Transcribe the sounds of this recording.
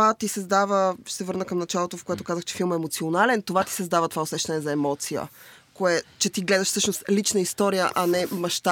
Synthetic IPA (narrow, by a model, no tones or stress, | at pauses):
at̪isɐzd̪avəʃsɛvɤɾnəkəmnɐt͡ʃalˠot̪ofkoɛt̪okazəxt͡ʃɛ̥filˠməɛːmot̪sionalɛnt̪ovat̪i̥sɐzd̪avət̪ovaosɛʃt̪ɐnɛzɐɛmɔt̪sijə̰koɛt͡ʃɛt̪iɡlɛd̪ɐʃfsɤʃnost̪lit͡ʃnəist̪ɔɾijə̰ʔanɛmɐʃt̪a